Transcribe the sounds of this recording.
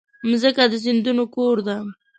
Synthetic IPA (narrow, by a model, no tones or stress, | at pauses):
mzəkad̪əzɪnd̪unokoɾd̪am